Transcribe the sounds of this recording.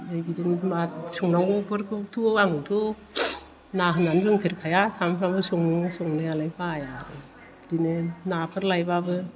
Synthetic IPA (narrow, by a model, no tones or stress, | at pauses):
dajbidinmasuŋnaŋɡɔpʰɯɾkʰɯtʰuaŋtʰu | naɦɯnanbɯŋpʰiɾkʰajasampʰɾambɯsuŋɯsɔŋnajalajpʰajaɾɯ | dinɯnapʰɯɾlajbabɯ